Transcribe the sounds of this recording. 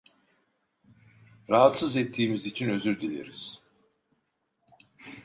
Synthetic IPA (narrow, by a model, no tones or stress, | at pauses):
ɾaɦat̪sɯzɛt̪ʰːiːmizit͡ʃʰinø̞zyɾd̪ilʲḛɾiz̥